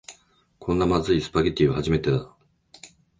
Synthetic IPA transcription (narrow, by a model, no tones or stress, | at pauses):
kʰõ̞nːamazɨisɨ̥paɡʲet̪ʲːiohaʑime̞t̪e̞d̪a